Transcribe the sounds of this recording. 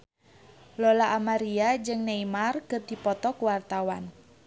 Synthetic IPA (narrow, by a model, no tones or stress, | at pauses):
lɔlaʔːmaɾiad͡ʒɨŋneimarkərd̪̥i̤pɔt̪ɔkuwart̪awan